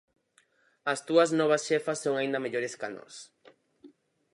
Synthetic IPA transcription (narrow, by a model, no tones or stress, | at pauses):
ɐst̪uɐznɔβ̞ɐsʃefɐssːoŋaĩnd̪ɐmeʎoɾeskano̰s